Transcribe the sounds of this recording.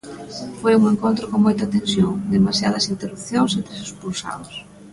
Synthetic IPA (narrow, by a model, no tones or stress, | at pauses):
fojuŋeŋkont̪ɾokoŋmojt̪ɐt̪ẽnsjoŋd̪emasja̰ð̞ɐsint̪erup̚θjoŋsent̪ɾesespulsa̰ðos